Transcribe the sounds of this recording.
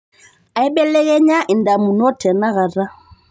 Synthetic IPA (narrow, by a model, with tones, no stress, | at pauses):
a˨ɛ˦ɓɛ˦lɛ˦ɣɛ˦ɲa˦ʔi˨nda˨mu˨nɔ˦tʰɛ˨na˦ɣa˨ɾa˦